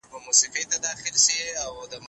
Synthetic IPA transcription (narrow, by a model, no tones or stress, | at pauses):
momusifet̪ad̪ɑxɪlʃiawd̪əm